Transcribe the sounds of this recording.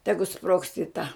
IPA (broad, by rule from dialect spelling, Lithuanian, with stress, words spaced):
ˈtʲæːɡʊ sproːkst ɪ ˈtɐ